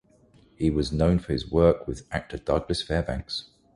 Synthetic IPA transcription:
hiwɒznə̃ʊ̃nfəɪzwɜˑkʰwɪða̰k̚tʰəd̥ʌɡləsfɛːbãŋks

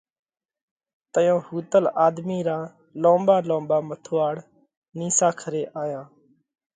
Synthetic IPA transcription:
t̪əjõːhuːt̪əlaːd̪miːɾaː | lõːmbaːlõːmbaːmət̪ʰoːaːɽ | niːsaːkʰəɾeːʔaːjãː

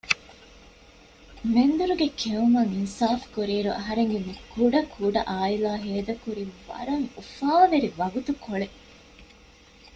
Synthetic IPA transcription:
mend̪uɾuɡekʰeumɐŋinsaːfkuɾiːɾuʔɐ̰ɦɐɾeŋɡemikʰuɖɐkʰuɖɐʔaːilaːɦeːd̪ɐkuɾiʋɐ̰ɾɐŋufaːʋeɾiʋɐɡut̪ukoɭe

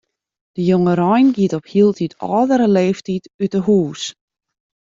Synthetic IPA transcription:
d̥əjoŋəɾɔjnɡiətɔphiəlˠtitʰɔ̰ːdəɾəleːftitytəhuːs

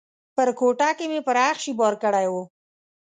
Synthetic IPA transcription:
pəɾkoʈakemepəɾaxʃibɑɾkəɽajwo

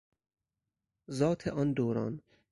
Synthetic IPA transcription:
zɒːt̪ʰeʔɒːnd̪oːɾɒ̰ːn

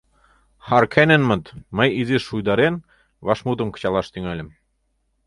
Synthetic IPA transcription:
hɑɾkʰænĕnmɤ̆t̪mɤjiziʃujd̪ɑɾen | βɑʃmut̪ɤ̆mkɤ̥̆t͡ɕɑlˠɑʃt̪yŋælʲɘ̆m

